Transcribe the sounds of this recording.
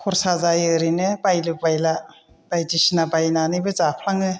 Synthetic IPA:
kʰɔɾsazajɯɾinɯbajlɯbajla | b̥ajdisinabajnanibɯzapʰlaŋɯ

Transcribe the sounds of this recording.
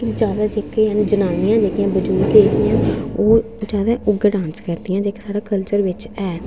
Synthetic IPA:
kid͡ʒjaːd̪aːd͡ʒeːkeːɦənd͡ʒənaːnɪjãːd͡ʒeːkɪjãːbəd͡ʒuːkeːkɪjãːoː | d͡ʒjaːd̪aːʔʊɡɖãːnskəɾd̪ɪjãːd͡ʒeːkesaːɽaːkəlt͡ʃəɾʋɪt͡ʃɛː

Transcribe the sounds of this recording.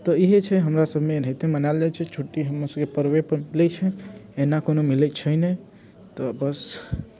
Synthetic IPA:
t̪ɔiɦet͡ʃʰɛɦəmɾasəbʱmeɾəɦit̪emənald͡ʒat͡ʃʰɛt͡ʃʰuʈːiɦəmːosəbkepəɾwepəɾmilɛt͡ʃʰɛenakonomilɛt͡ʃʰəjne | t̪ɔbəs

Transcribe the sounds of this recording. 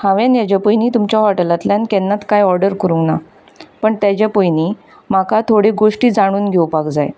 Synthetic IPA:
hãʋjanjat͡ɕapəjniːt̪umt͡ɕaɦɔʈəlat̪lankɛnːat̪kajɔɾɖəɾkəɾuna | pəɳt̪jat͡ɕapəjniː | makʰat̪ʰoɽeɡoʂʈiːd͡zaɽ̃uːnɡʱewpakd͡zaj

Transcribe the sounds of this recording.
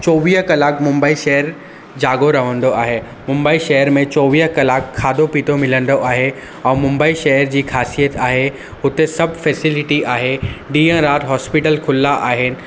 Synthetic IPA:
t͡ɕɔːʋiːɦkɐlaːkmʊ̃mbaːiʃɐɦəɾ | d͡ʑaːɡoɾɐʋə̃nd̪oaːɦe | mʊ̃mbaːiʃɐɦəɾmẽt͡ɕɔːʋiːɦkɐlaːkʰːaːd̪opiːt̪ʰomɪlə̃nd̪oʔaːɦe | ɛ̃ːmʊ̃mbaːiʃɐɦəɾd͡ʑiːxʰaːsijət̪aːɦe | ɦʊt̪esɐbʱfɛːsɪlɪʈiaːɦeɖiːə̃ɾaːʈɦɔːspɪʈəlkʰʊlːaʔaːɦɪnɪ̆

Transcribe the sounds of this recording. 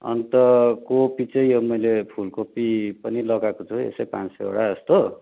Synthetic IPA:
ʌ̰nit̪ʌkopit͡sʌj̃jomʌjlepʰulkopipʌnilʌɡakot͡sʰuḛsʌjpã̰nsʌ̰jo̰ɽaʌst̪o

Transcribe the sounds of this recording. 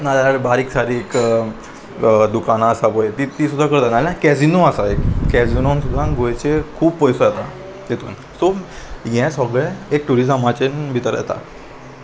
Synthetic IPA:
nalabaɾiːksaɾiːk | d̪ukanaːsapojet̪it̪iːsud̪ʱːakəɾt̪analãkɛd͡zinoasaekkɛd͡zinonsud̪ʱːãɡojt͡ɕekʰuːbpəjsojɛt̪a | jet̪ṵːn | sojɛ̃səɡɭeek̚ʈuɾid͡zəmat͡ɕenbʱit̪əɾjɛ̰t̪a̰

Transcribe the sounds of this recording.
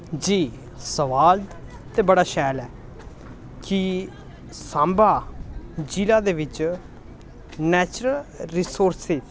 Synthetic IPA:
d͡ʒiː | səʋaːl | t̪eːbəɽaːʃɛːlɛː | kɪ | sãːmbaːd͡ʒiːlaːd̪eːʋɪt͡ʃ | nɛːt͡ʃɾəlɾiːsoːɾsɪz

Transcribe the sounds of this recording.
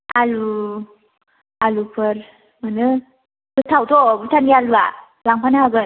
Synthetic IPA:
alu | alupʰɯɾ | manɯ | bɯtʰawtʰɔbɯtʰanialua | laŋpʰanaabɯ

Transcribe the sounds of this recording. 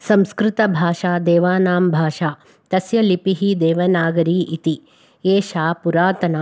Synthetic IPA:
sɐ̃mskɾɪt̪ɐbʱaːʃaːd̪eːʋaːnaːmbʱaːʂaː | t̪ɐsjɐlipiɦid̪eːʋɐnaːɡɐɾiːʔit̪i | eːʃaːpuɾaːt̪ɐnaː

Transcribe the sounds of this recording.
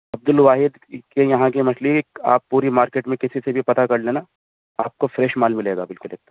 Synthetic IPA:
ɐb̚d̪ʊlʋaːɦɪd̪kejɐɦãkemɐsliːka̰ːpːuːɾimaːɾkeːʈmẽkɪsisebʱipɐt̪akɐɽlẽna | aːp̚kofɾɛːʃmaːlmɪleːɡa̰bɪlkʊleːk̚t̪ːa

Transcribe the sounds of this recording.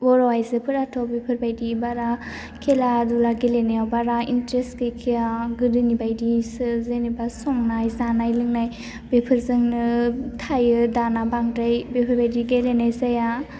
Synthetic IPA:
ɔɾɔwajzɯpʰɯɾatʰɔbepʰɯɾbajdibaɾa | kʰeladulaɡelenajawbaɾaintɾeskɯkʰijaɡɯdɯnibajdisɯzenibasɔŋnajzanajlɯŋnaj | bepʰɯɾzɯŋnɯtʰajɯdanabaŋdajbepʰɯɾbajdiɡelenajzaja

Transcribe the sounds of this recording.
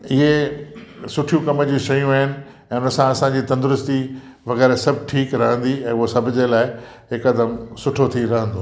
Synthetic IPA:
ɪɦe | sʊʈʰijũkɐməd͡ʑĩʃɐjũaːɦɪnɪ̆ | ɛ̃ːʊnəsãɐsãd͡ʑiːt̪ɐ̃nd̪ʊɾʊst̪i | ʋɐɣɛːɾsɐbʱɪʈʰiːkɾɐɦə̃nd̪iɛ̃ːʊɦosɐbʱʊd͡ʑelaːɪɦɪkɐd̪əmsʊʈʰot̪ʰiɾɐɦə̃nd̪oː

